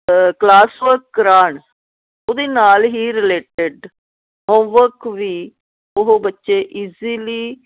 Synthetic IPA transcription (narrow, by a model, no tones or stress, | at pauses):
klaːsʋəɾkːəɾaːɳ | oːd̪eːnaːlɦiːɾɪleːʈɪɖ | ɦõːmʋəɾkʋiː | ʊɦobətːʃeːʔiːziːliː